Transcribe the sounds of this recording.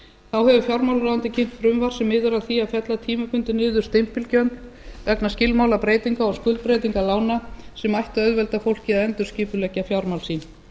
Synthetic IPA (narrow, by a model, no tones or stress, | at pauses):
θawhɛvʏfjawɾmawlɾawant̪ɪcʰɪŋ̥t̪fɾʏmvar̥sɛmːɪːðʏɾaðθiaðfjɛt̪lat̪ʰiːmapʏnt̪ɪnɪːðʏɾ̥st̪ejm̥pɪlcœnt̪l | vɛknascɪlmawlapɾeːjt̪iŋkaɔskʏlt̪̚pɾejt̪iŋkalaːwnasɛmajht̪œðvɛlt̪afowl̥cɪaðɛnt̪ʏɾ̥sciːpʏlɛcːafjawɾmawlsiːn